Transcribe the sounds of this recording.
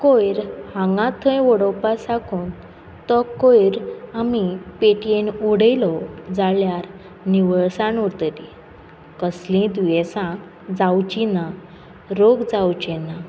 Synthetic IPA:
kojɾhãŋɡãt̪ʰə̃jʋɔɽɔpasakʰuːn | t̪ɔkojɾamipeʈenuɽəjlɔd͡zaljaɾ | niʋəɭsãnuɾt̪əɾi | kəslĩd̪ʋesã | d͡zawt͡ɕina | ɾoɡd͡zawt͡ɕɛna

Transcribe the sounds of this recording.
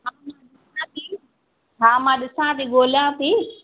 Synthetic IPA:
ɦãːmãɗɪsãt̪iː | ɦãːmãːɗɪsãːt̪iɠoːljãt̪iː

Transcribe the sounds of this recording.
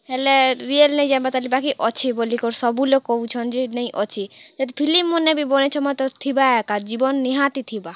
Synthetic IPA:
heleɾielnejd͡ʑambat̪alibakiʔɔt͡ɕʰibolikoɾsɔbulokowt͡ʃʰɔnd͡ʒenej̃ʔɔt͡ʃʰid͡ʒat̪ipʰilimmonebibonet͡ʃʰɔmɔjt̪ɔt̪ʰibaɛkad͡ʑibɔnːiɦat̪it̪ʰiba

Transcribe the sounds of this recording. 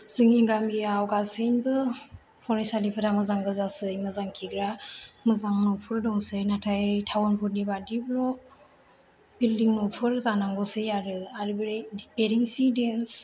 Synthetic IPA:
z̥ɯŋiɡamiawɡasɯnbɯ | pʰɔɾensalipʰɯdamɯzaŋɡɯzasɯjmɯzaŋkʰiɡɾamɯzaŋnɔpʰɯɾdɔŋsɯjnatʰajjtʰawɔnpʰuɾ̚nibadiblɔ | bildiŋnɔpʰɯɾzanaŋɡɔsɯjaɾɯaɾibɾedipeɾiŋsidens

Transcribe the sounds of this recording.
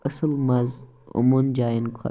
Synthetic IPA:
əsɨlmɐz | ṵmund͡ʒaːinkʰɔ̰

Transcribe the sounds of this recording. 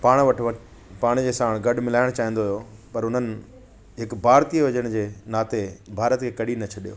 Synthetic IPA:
paːɽ̃ʋɐʈʰʋɐ | paːɽ̃d͡ʑeːsaːɽ̃ɡɐɖmɪlaːɪɽ̃t͡ɕaːɦĩnd̪oɦɐjopɐɾʊn̤ənɪ̆ | ɦɪkbʱaːɾt̪iʋɐd͡ʑəɽ̃d͡ʑeːnaːt̪ebʱaːɾət̪kʰekɐɗinɐt͡ɕʰɐɗijo̰ː

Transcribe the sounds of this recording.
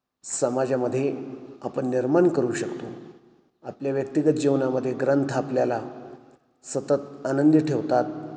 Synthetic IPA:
səmad͡ʑaməd̪ʱːjeapəɳːiɾmankəɾuːɕəkt̪o | apljaʋjək̚t̪iɡət̪̚d͡ʑiʋnaməd̪ʱːjeɡɾənt̪ʰapljala | sət̪ət̪anənd̪ʈʰeʋt̪at̪̚

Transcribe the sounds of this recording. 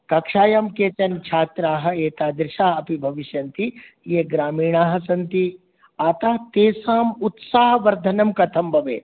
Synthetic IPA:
kɐkʂaːjaːmkeːt͡ʃ̪ɐnt͡ʃʰaːt̪ɾaːɦɐ̆eːt̪aːd̪ɾɪʃaːɐpibʱɐʋiʃjɐnt̪i | jeɡɾaːmiːɳaːɦɐ̆sɐnt̪i | aːt̪aːt̪eːsaːmut̪saːɦɐʋɐɾd̪ʱɐnɐmkɐt̪ʰɐmbʱɐʋḛː

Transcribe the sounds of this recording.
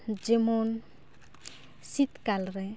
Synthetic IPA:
d͡ʒemon | sit̪kalɾɛ

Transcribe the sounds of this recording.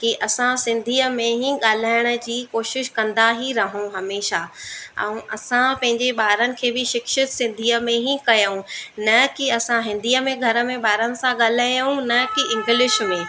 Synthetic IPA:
kiʔɐsãsɪ̃nd̪ʱiːəmẽɦĩɠaːl̤aːɪɽ̃ə̆d͡ʑiːkoːʃɪʃkɐ̃nd̪aɦiɾɐɦũɦɐmeːʃaɛ̰̃ũʔɐsãpɐ̃ɦɪ̃ɲd͡ʑeɓaːɾənɪ̆kʰeːbɪʃɪkʃɪt̪sɪ̃nd̪ʱiːəmẽɦĩkɐjəũnɐkiɐsãɦɪ̃nd̪ʱiːəmẽɡʱɐɾə̆mẽɓaːɾənɪ̆sãɠaːl̤aːjũnɐkiɪ̃ŋɡɪlɪʃmẽː

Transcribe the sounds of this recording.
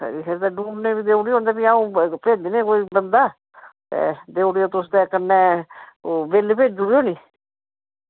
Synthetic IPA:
sə̰ɾiːkʰeːɾd̪aːɖũːneːbiːd̪eːuɽiːõːnd̪aːbiaːũːpeːd̪iːnẽːkoːiːbənd̪aː | t̪ḛːd̪eːɽijoːt̪ʊsd̪ekənːeːobeːlepeːd͡ʒʊɽjoːniː

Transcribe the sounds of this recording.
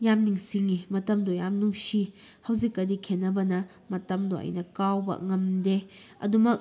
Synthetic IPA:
jamniŋsiŋimɐtɐmdɔjamnusi | hɐwzikːɐdikʰenːɐbɐnɐ | mɐtɐmdɔɐ̰jnɐkawbɐ̰ŋɐmde | ɐ̰dumɐk̚

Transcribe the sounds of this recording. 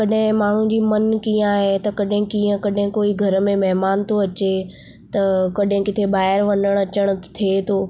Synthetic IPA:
kɐɗɦɪ̃maːɳ̤ũd͡ʑiːmɐnkiə̃aːɦet̪ɐkɐɗɦɪ̃kiːə̃kɐɗɦɪ̃koːiɡʱɐɾmẽmɐɦmaːnt̪ʰoɐt͡ɕe | t̪ɐkɐɗɦɪ̃kɪt̪ʰebaːɦɪɾʋɐɲəɽ̃ɐt͡ɕəɽ̃ʊ̆t̪ʰiet̪ʰoː

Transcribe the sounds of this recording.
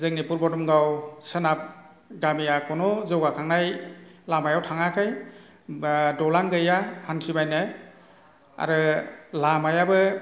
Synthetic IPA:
zɯŋnipuɾbɔdɔmɡawsɯnap̚ | ɡamijakɔnɔzɯwɡakʰaŋnajlamajawtʰaŋakʰaj | dɔlaŋɡɯjahansʰibajnɯ | a̰ɾɯlamajabɯ

